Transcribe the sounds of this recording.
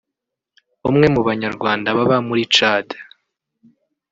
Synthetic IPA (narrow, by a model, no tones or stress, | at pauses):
βumŋe̞muβaɲaɾɡwaːndaβaβamuɾit͡ʃaːdḁ